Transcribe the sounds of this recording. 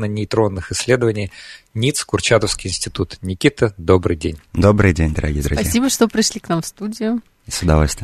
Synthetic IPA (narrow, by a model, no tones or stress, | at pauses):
nənʲɪjt̪ɾo̞nːɨxɪsʲlʲed̪əvənʲɪj | nʲit̪skʊrt͡ɕat̪əfskʲɪjɪnsʲtʲɪt̪ut̪nʲɪkʲit̪əd̪obɾɨjdʲenʲd̪o̞bɾɨjdʲenʲd̪əɾʔɐɡʲiːəd̪əɾɐɡpɐiːsʲibəʂt̪opɾʲɪʂlʲiknamfst̪udʲɪjʊ | isʊd̪ɐvolʲst̪vʲɪ